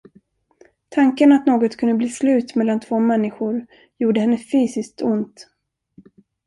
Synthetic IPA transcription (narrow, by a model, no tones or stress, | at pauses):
t̪ʰaŋkənat̪noːɡɔt̪kʰɵnd̪əbliːslʉ̟ːt̪mɛlːant̪ʰvoːmɛnːɪɧʊɾ | juːɖəhɛnːəfyːsɪsk̚t̪ʊnt̪